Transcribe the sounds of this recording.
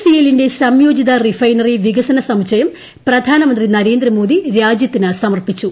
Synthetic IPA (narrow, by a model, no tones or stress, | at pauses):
sijelinde̞sɐmjoːd͡ʑid̪ɐrifɐjnɐriʋiɡɐsɐnɐsɐmt͡ɕːɐjɐm | prɐd̪ʱaːnɐmɐnd̪rinɐɾe̞ːnd̪rɐmoːd̪iɾaːd͡ʑjɐt̪ːinɨsɐmɐrpit͡ɕːu